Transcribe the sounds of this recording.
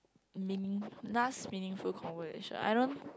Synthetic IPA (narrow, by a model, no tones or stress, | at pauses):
minĩŋnasmĩnĩŋfulkʰɔ̃nvəzḛʃə̰̃na̰jɾõn